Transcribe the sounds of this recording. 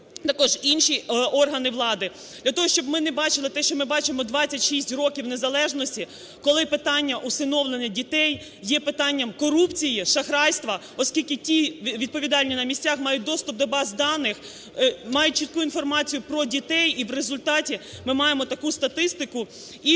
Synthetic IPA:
t̪ɐkɔʒinʃiɔrɦɐnɪʋlˠɑd̪ɪ | d̪lʲɐt̪ɔɦɔʃt͡ʃɔbmɪnebɑt͡ʃɪlˠɪt̪ɛʃt͡ʃɔmɪbɑt͡ʃɪmɔd̪ʋɑt͡sʲːɐtʲʃisʲtʲrɔkʲiwnezɐlˠɛʒnɔsʲtʲi | kɔlˠɪpɪt̪ɑnʲːɐʔusɪnɔwlˠenɛdʲit̪ɛj | jɛpɪt̪ɑnʲːɐmkɔɾupt͡sʲijiʃɐxɾɑjst̪ʋɐ | ɔskʲilʲkɪtʲiʋʲid̪̚pɔʋʲid̪ɑlʲnʲinɐmʲisʲt͡sʲaxmɑjʊt̚ʲd̪ɔst̪ʊp̚d̪ɔbɑzd̪ɑnɪx | mɑjʊt̚ʲt͡ʃit̪̚kuinfɔrmɑt͡sʲijʊpɾɔdʲit̪ɛjiʋrezʊlʲt̪ɑtʲimɪmɑjemɔt̪ɐkust̪ɐt̪ɪst̪ɪkʊ | i

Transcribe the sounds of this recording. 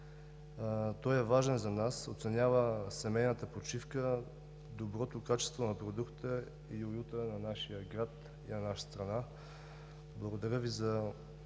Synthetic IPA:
t̪ɔjɛvaʒɛnzɐnaso̰t̪sɛnʲjavəsɛmɛjnət̪əpot͡ʃifkə | d̪obɾɔt̪okat͡ʃɛ̥st̪vonɐpɾod̪ukt̪t̪ə | iojut̪ənɐnaʃijəɡɾat̪ | inɐnaʃə̥st̪ɾɐna | blˠɐɡod̪ɐɾʲjəvizɐ

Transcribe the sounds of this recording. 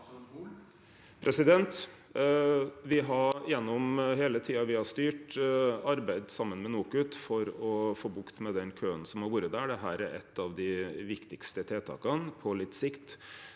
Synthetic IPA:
pʰɾʔɛsɪd̪ɛnt̪ | ʋɪɦɑjɛnːɔmɦeːlət̪ʰiːɑʋɪhɑʂt̪yːʈɑɾbæɪd̪sɑmːənmɛnuːkʉt̪fɔɾɔfoːbʊkt̪mɛd̪ɛnkʰøːənsɔmhɑɾʋuːɾəd̪æɖɛɦæːɾæɾʔɛ̰t̪ʰːɑʋd̪ɪʋɪkt̪ɪkst̪ət̪ʰeːt̪ʰɑ̰ːkɑnpʰɔlɪt̪ːsɪkt̪

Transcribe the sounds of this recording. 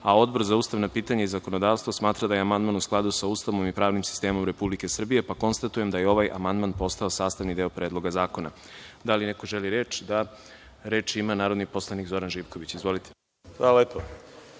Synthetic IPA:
ao̞d̪̚bo̞ɾzauːst̪aʋnapiːt̪aɲaizako̞no̞d̪aːʋst̪vosmaːt̪ɾad̪ajeamand̪manusklˠad̪usaust̪aʋomipɾaːʋnimsi̥st̪e̞ːmo̞mɾe̞publike̞sr̩bije̞pako̞nst̪at̪uje̞md̪ajeo̞ʋajʔa̰mand̪manpo̞st̪ao̞saːst̪anid̪eopɾe̞ːd̪lˠoɡazaːko̞na̰ | d̪alineko̞ʒeliɾe̞ːt͡ʃd̪a | ɾe̞ːt͡ʃimanaːɾod̪nipo̞slˠanikzo̞ɾanʒipko̞ʋit͡ɕizʋo̞lit̪ʰe̥ | xʋaːlalepo

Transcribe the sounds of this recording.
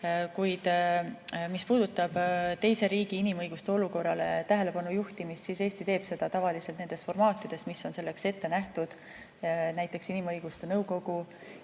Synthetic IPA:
kujd̪̥ | mispuːd̪̥ut̪ːˑɑb̥t̪e̞jse̞ɾiːɡ̥iinimɤjɡ̥ust̪e̞o̞luko̞rːɑle̞t̪æɦe̞le̞pɑnujuht̪imist̪sise̞ːsʲt̪it̪eːb̥se̞d̪̥ɑt̪ɑvɑlise̞lt̪ne̞nd̪e̞st̪fo̞rmɑːt̪ːˑid̪̥e̞st̪misːo̞nse̞lːe̞kse̞t̪ːe̞næht̪ud̪̥ | næjt̪ːˑe̞ksinimɤjɡ̥ust̪e̞nɤwko̞ɡ̥u

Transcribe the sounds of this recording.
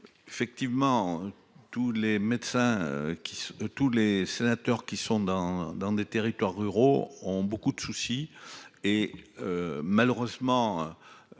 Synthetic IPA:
efɛk̚t̪ivmɑ̃ | t̪ulemɛd̪sɛ̰̃kʲist̪ulesenat̪œʁkʲisɔ̃d̪ɑ̃d̪ɑ̃d̪et̪eʁit̪waʁːyʁoɔ̃bokud̪əsusi | eømaløʁøzmɑ̃ø

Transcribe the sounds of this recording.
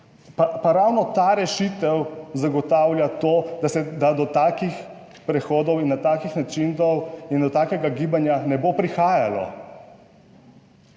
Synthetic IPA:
papaɾawnɔt̪aɾɛʃit̪ɛwzaɡɔt̪awljat̪od̪asɛd̪ad̪ɔt̪aːkix | pɾɛxoːd̪ɔwinːat̪aːkixnat͡ʃint̪ɔwind̪ɔt̪aːkɛɡaɡiːbanjanɛbopɾixaːjalɔ̰

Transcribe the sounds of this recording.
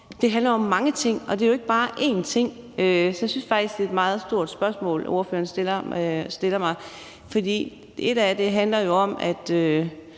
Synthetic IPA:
d̥e̝ɦænlɐjoɒ̽mːɑ̈ŋət͡sʰe̝ŋ̰ɒ̽d̥e̝æjo̝e̝ɡ̥əb̥ɑ̈ːʔe̝̰ːnt͡sʰe̝ŋ̰ | øsɒjasynsfɑ̈ɡ̥d̥isɡ̥eːd̥mɑ̈ːð̞̩ˠsd̥o̝ɐ̰d̥sb̥ɶɐsmɔ̰̽ːlo̝ɐfø̰ːɐnsd̥eɐsd̥e̝lɐmɑ̈ɪ | fɒ̽d̥ḭː | ʔe̝ɾ̥æd̥e̝ɦænlɐjo̝ɒ̽mæd̥ø

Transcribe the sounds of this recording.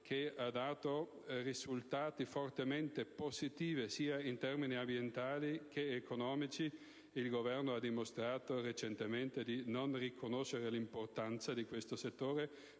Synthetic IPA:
kʰead̪aːt̪o | rizult̪aːt̪ifort̪ement̪epozit̪iːvesiːaint̪ɛrminiambjent̪aːlikʰeːkonɔːmit͡ʃi | ilɡovɛrnoad̪ːimost̪ɾaːt̪oret͡ʃent̪ement̪ed̪inonrikʰonoʃeɾelimport̪ant̪sad̪ikwest̪oset̪ːoːɾe

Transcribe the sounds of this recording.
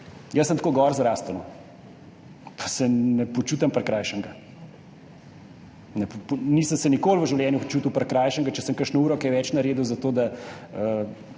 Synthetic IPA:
jəsːəmt̪koːɡɔɾzɾaːst̪ɐnɔ | pʰḁsɛnɛpɔt͡ʃuːt̪ampəɾkɾajʃəŋɡa | nɛpnisəmsɛnikoːlʋəʒiwljɛːnjut͡ʃuːt̪uwpɐɾkɾajʃəŋɡat͡ʃɛsəmkəɾʃnɔuːɾɔkɛʋɛt͡ʃnaɾeːd̪uwzat̪oːd̪aə

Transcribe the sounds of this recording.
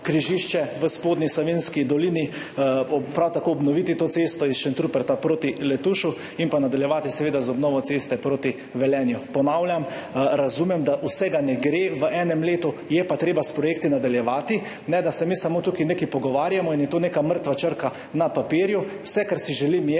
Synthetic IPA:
kɾiʒiʃt͡ʃɛʋəspoːd̪nislɔʋenskid̪ɔliːni | pɾawt̪akoːɔbnɔʋit̪it̪oːt̪sest̪ɔisʃɛnt̪ɾupɛɾt̪apɾoːt̪ilɛt̪uːʃu | inpanad̪aljɛʋaːt̪isɛʋeːd̪azɔbnɔːʋɔt̪sest̪ɛpɾoːt̪i | ʋɛlɛːnjupɔnaːwljamɾazumɛmd̪aʔusɛɡanɛɡɾeːʋəʔɛːnɛmleːt̪ujɛpat̪ɾeːbaspɾɔjeːk̚t̪inad̪aljɛʋaːt̪i | nɛd̪asɛmisamoːt̪ukineːkɛpɔɡɔʋaːɾjamɔinjɛt̪oːneːkaməɾt̪ʋat͡ʃəɾka | napapiːɾju | wsɛkaɾsiʒɛlimjɛ

